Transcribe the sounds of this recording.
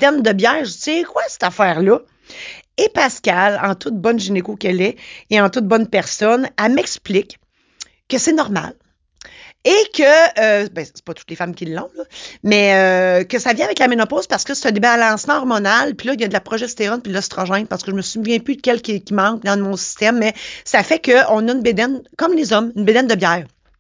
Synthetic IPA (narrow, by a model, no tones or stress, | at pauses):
t̪ɛnd̪əbjɛːʁʒsekwasɛ̥t̪afɛːʁlʌ | epaskʲalɑ̃t̪ʰʊt̪̚bɔnʒinekokɛlɛeɑ̃t̪ʊt̪̚bɔnpɛʁsɔnamɛksplɪk | kːəsɛnɔʁma̰l | ekʰʲəːbɛ̃se̥pɔt̪u̥t̪lefamkʲilːɔ̃lɔmɛøkəsavjɛ̃avɛklamenɔpozpaʁsə̥kəse̥t̪ɛ̃d̪ebalɑ̃smãɔʁmɔnalpilʌiljad̪əlapʁɔʒɛst̪eʁɔnpilɔst̪ʁɑʒɛ̃ɪ̃npaʁsə̥kəʒəməsuvjɛ̃pykʲɛlkʲikʲimɑ̃k̚d̪ɑ̃mɔ̃si̥st̪ɛmːɛsafɛkəɔ̃nʌynbed̪ɛnkɔmlezɔmynbed̪ɛnd̪əbjɛːʁ